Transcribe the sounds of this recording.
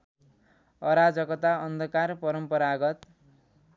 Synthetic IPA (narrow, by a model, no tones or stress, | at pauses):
ʌɾad͡zʌkʌt̪aʌnd̪ʱʌkarpʌɾʌmpʌɾaɡʌt̪